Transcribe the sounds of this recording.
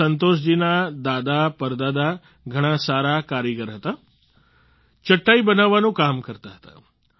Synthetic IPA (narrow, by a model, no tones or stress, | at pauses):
ənt̪̬oʃ̬d͡ʑinad̪aːd̪apəɾd̪ad̪a | ɡʱəɽ̃ãsaːɾakaːɾjəɡəɾɦət̪a | t͡ʃəʈːaibənaʋːanũkaːmkəɾt̪aɦə̥t̪ḁ̰